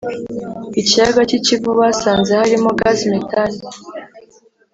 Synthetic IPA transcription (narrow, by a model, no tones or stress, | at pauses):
icijaɡacicivuβasaːnzehaɾimoɡazimitʰani